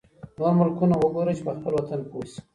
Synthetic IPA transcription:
noɾmʊlkunawəɡoɾət͡ʃepəxpəlwat̪anposi̥

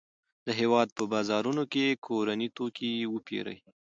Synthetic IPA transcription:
d̪əɦewɑd̪̚pəbɑzɑɾunokekʰoɾanit̪okiwəpḛɾə̰j

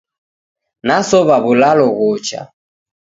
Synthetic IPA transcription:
nasɔβaβulalɔɣɔt͡ʃa̰

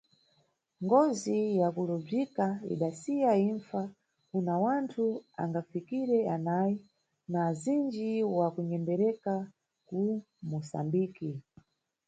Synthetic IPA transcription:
ŋɡɔzijakulɔb͡ʐikaḭɗasijaiɱfa | kunawantʰua̰ŋɡafikiɾɛanaji | nazind͡ʒiwakuɲɛmdɛɾɛka | ku | musa̰mbiːki

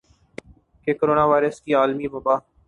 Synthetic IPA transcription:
kekoːɾoːnaːʋaːɪɾəskiaːlmiʋɐbaː

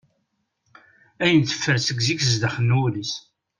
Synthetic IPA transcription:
æjənθə̥fːəɾsəɡzikəzd̪aχənːulis

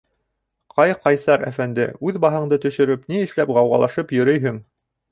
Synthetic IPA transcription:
qɑjqɑjsɑɾæ̰fænd̪ɘ̰ʉðbɑɦɤ̆ɴd̪ɤt̪ɵ̆ʃɵ̆ɾɘpniɘ̆ʃlæpʁɑwʁɑ̰lˠɑʃɤpjɵ̆ɾɵjɦɘŋ

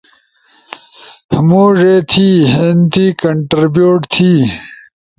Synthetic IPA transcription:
hmoːʐeːt̪ʰiːɦent̪iːkɐɳʈɾibjuːʈt̪ʰiː

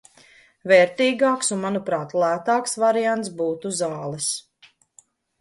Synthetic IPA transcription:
vɛːɾt̪iːɡaːksunmanupɾɑːt̪lˠæːt̪aːksvaɾijant̪sbuːt̪uzaːlˠɛs

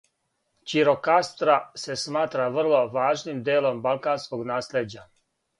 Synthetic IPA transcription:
t͡ʃiɾo̞kast̪ɾase̞smaːt̪ɾaʋr̩lˠo̞ʋaːʒnimd̪eːlo̞mbalˠkanskoɡnaːsled͡ʑa

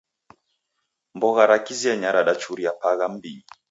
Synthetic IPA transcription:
mbɔɣaɾakiziɛɲaɾaɗat͡ʃuɾiapaɣam̩bi

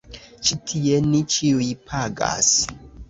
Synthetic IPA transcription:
t͡ʃitʰienit͡ʃiujpʰaɡa̰s

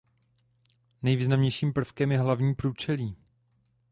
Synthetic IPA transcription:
nɛjviːznamɲɛjʃiːmpr̩fkɛmjɛɦlavɲiːpɾuːt͡ʃɛliː

